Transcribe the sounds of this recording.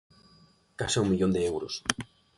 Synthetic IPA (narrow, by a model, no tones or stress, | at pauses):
kaseumːiʎond̪eewɾo̰s